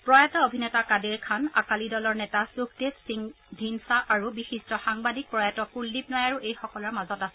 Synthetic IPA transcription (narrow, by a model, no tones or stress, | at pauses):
pɹɔjatɔobʱinɛtakadiɹkʰana̰kalidɔlɔɹnɛtasuktessi | dʱinsaʔaɹubixistɹɔxaŋbadik̚pɹɔjatɔpulːip̚nɔjaɹuʔejxɔkɔlɔɹmazɔtasɛ